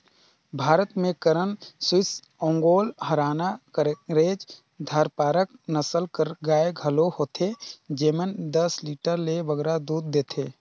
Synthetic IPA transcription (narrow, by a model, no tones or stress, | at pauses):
bʱaːɾət̪mẽkəɾənswɪs | õːŋɡoːlhəɾaːnakəɾɾeːd͡ʒ | d̪ʱaːɾpaːɾək̚nəsəlkəɾɡaːeɡʱəlohoːt̪ʰed͡ʒeːmənd̪əsliʈəɾleʋəɡɾad̪uːd̪̚ːeːt̪ʰeː